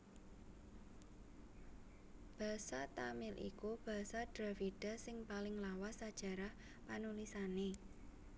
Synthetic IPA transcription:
b̥a̤sat̪amɪlʔḭkub̥a̤saɖ̥ɾa̤fiɖ̥a̤sɪŋpalɪŋlawasad̥ʒ̥ä̤ɾah | panulisane

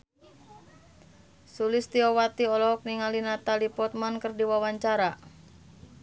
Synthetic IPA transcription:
sulɪst̪iɔwat̪iɔlɔɦɔk̚niŋalinat̪alipɔt̪̚mankərdiwawaɲt͡ʃaɾa

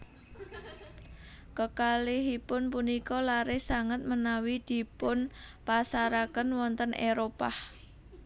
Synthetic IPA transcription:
kəkaliɦipʊnpunikɔlaɾɪhsaŋət̪̚mənawid̪̥i̤pʊnpasaɾakənwɔnt̪ənʔeɾopah

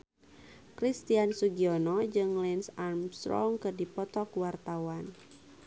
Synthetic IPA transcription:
kɾist̪iansuɡiɔnɔd͡ʒɨŋlɛnsarmst̪ɾɔ̰ŋkɨrdipɔt̪ɔkwart̪awan

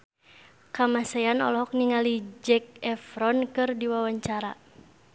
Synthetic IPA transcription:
kamasajanɔ̰lɔɦɔk̚niŋalid͡ʒɛk̚ɛfɾɔnkɨrdiwawaɲt͡ʃaɾa̰

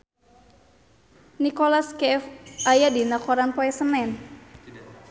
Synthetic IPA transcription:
nikolaskɛfajadinakoɾanpoɛsənɛn

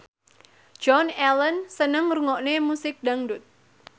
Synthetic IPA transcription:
d͡ʒ̥ɔnɛlənsənəŋruŋɔʔnemusɪk̚daŋdut̪̚

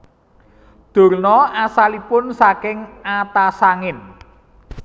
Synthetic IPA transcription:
d̪̥o̤rnɔasalipʊnsakɪŋat̪asaŋɪn

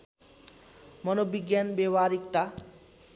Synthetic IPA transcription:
mɔnobiɡjanbebaɾikt̪a

